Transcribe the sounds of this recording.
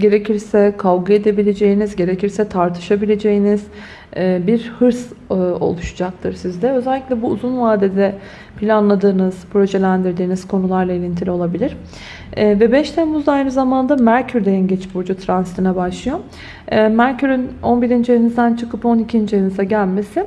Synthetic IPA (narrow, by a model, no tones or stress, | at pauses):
ɟe̞ɾe̞cʰiɾsɛkʰavɡɯe̞d̪e̞bilʲe̞d͡ʒe̞jinizɟe̞ɾe̞ciɾsɛt̪ʰaɾt̪ʰɯ̥ʃabilʲe̞d͡ʒe̞jiniz̥ː | biɾhɯɾso̞̰lˠuʃu̥d͡ʒak̚t̪ʰɯɾsizd̪ɛø̞zɛlʲːiclʲɛbuːzunvaːd̪ed̪ɛ | pʰilʲanlˠad̪ɯːnɯz̥pɾo̞ʒe̞lʲænd̪iɾd̪iːniz̥kʰo̞nulˠaɾlˠaelʲint̪ʰilʲio̞lˠabilʲiɾ̥ | vɛbɛʃt̪ʰemuzd̪aajnɯzamand̪amæɾcʰyɾd̪ejinɟɛt͡ʃʰbuɾd͡ʒut̪ʰɾanst̪ʰinɛbaʃlˠɯjo̞ | mæɾcʰyɾyno̞nbiɾind͡ʒejenizd̪ænt͡ʃʰɯkɯpo̞nicʰind͡ʒenizaɟælʲme̞sɪ